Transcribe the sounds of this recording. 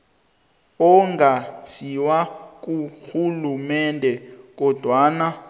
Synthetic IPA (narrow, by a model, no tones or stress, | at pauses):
ɔŋɡʱasiwak̬ʼuxulumɛndʱɛk̬ɔd̥ʱwana